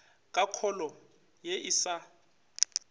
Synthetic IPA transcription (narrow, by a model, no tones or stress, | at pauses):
kʼakʰɔlɔ | jɛʔisa